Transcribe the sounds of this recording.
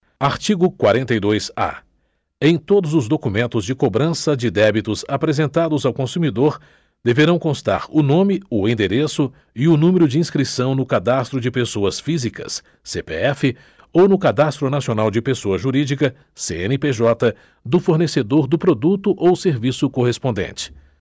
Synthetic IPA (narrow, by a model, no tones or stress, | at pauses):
aɾt͡ʃiɡʊkwaɾẽnt̪ɐjd̪ojsa̰ | ẽj̃t̪od̪ʊzʊzd̪okumẽnt̪ʊzd͡ʒɪkobɾɐ̃sɐd͡ʒɪd̪ɛbit̪ʊzapɾezẽnt̪ad̪ʊzawkõsumid̪oɾ | d̪̥eveɾɐ̃w̃kõst̪a̰ɾʊnõmɪʊẽd̪eɾesʊ | ɪʊnũmeɾʊd͡ʒɪĩskɾisɐ̃w̃nʊkad̪ast̪ɾʊd͡ʒɪpesoɐsfizikɐ̰sː | epḛɛfɪ | ownʊkad̪ast̪ɾʊnasionawd͡ʒɪpesoɐʒuɾid͡ʒikɐ | seḛ̃nɪpeʒɔt̪ɐ | d̪ʊfoɾnesed̪oɾd̪ʊpɾod̪ut̪ʊʔowseɾvisʊkoɦespõnd̪ḛ̃nt͡ʃɪ̥